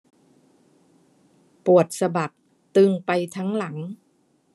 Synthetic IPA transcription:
pu˨˩ət̪̚sa˧ba˨˩k̚ | t̪ɯː˧ŋpa˧jt̪ʰa˦˥ŋla˩˦ŋ

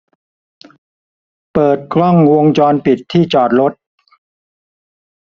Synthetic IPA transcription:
pɤː˨˩t̪̚kʰlɔ˥˩ŋwo˧əŋt͡ɕɔː˧npi˨˩t̪ʰːiː˥˩t͡ɕɔː˨˩t̪̚ɾo˦˥t̪̚

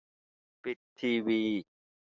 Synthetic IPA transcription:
pi˨˩tt̪ʰːiː˧wiː˧

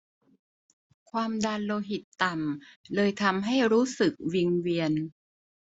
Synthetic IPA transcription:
kʰwaː˧mdaː˧nloː˧ɦi˨˩t̪ːa˨˩mlɤː˧jt̪ʰa˧mɦa˥˩jɾuː˦˥sɯ˨˩k̚wi˧ŋwi˧ən

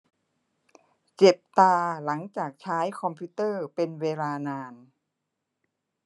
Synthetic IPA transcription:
t͡ɕe˨˩p̚t̪aː˧la˩˦ŋt͡ɕaː˨˩k̚t͡ɕʰaː˦˥jkʰɔ˧mpʰuː˦˥t̪ɤː˥˩pe˧nweː˧laː˧naː˧n

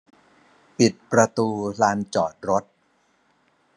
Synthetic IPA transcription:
pi˨˩t̪̚pɾa˧t̪uː˧laː˧nt͡ɕɔː˨˩t̪̚ɾo˦˥t̪̚

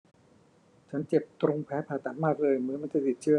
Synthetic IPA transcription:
t͡ɕʰa˦˥nt͡ɕe˨˩p̚t̪ɾo˧ŋpʰɛː˨˦˥pʰaː˨˩t̪a˨˩t̪̚maː˥˩k̚lɤː˧jmɯ˦˥ma˧nt͡ɕa˧˩t̪i˨˩t̪̚t͡ɕʰɯ˦˥˩ə˨

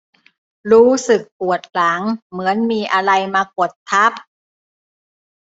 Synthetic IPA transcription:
ɾuː˦˥sɯ˨˩k̚pu˨˩ət̪̚la˩˦ŋmɯ˩˦ənmiː˧ʔa˧ɾa˧jmaː˧ko˨˩t̪ʰːa˦˥˩p̚

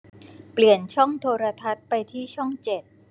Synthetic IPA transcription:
pli˨˩ənt͡ɕʰɔ˥˩ŋt̪ʰoː˧ɾa˧t̪ʰa˦˥t̪̚pa˧jt̪ʰiː˥˩t͡ɕʰɔ˥˩ŋt͡ɕe˨˩t̪̚

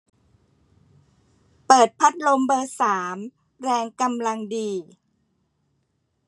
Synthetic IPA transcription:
pɤː˨˩t̪̚pʰa˦˥t̪̚lo˧mbɤː˧saː˩˦m | ɾɛː˧ŋka˧mla˧ŋdiː˧

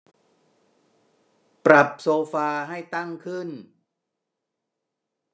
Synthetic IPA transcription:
pɾa˨˩p̚soː˧faː˧ɦa˥˩jt̪a˥˩ŋkʰɯ˥˩n

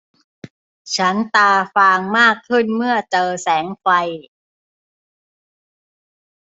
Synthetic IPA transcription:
t͡ɕʰa˦˥nt̪aː˧faː˧ŋmaː˥˩kʰːɯ˥˩nmɯ˥˩ɐt͡ɕɤː˧sɛː˩˦ŋfa˧j

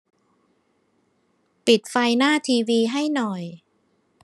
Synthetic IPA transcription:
pi˨˩t̪̚fa˧jnaː˥˩t̪ʰiː˧wiː˧ɦa˥˩jnɔ˨˩j

